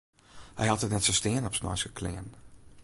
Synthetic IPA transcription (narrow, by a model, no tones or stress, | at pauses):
hɛ̰jɑtətnɛtsostɪːənɔpsnɔ̰jskəkʰlɪ̰ən